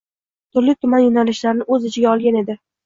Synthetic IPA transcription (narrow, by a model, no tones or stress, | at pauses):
t̪ʰʊɾlɪk̚ʲt̪ʰʊmanjʊnalɪʃlaɾɪnɪɵzɪt͡ʃʰɪɡʲaɒlˠɡʲane̞d̪ɪ